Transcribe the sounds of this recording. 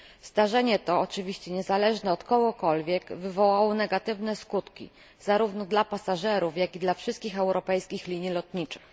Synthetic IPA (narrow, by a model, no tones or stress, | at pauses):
zd̪aʐɛɲɛt̪ɔːt͡ʂɘvʲiɕt͡ɕɛɲɛzalɛʐnɛɔt̪kɔɡɔkɔlvʲjɛɡvɘvɔwawɔnɛɡat̪ɘvnɛskut̪kʲḭ | zaɾuvnɔd̪lapasaʐɛɾufjakʲid̪lafʂɘst̪kʲixɛwɾʔɔpɛjskʲixlʲiɲilɔt̪ɲit͡ʂɘ̥x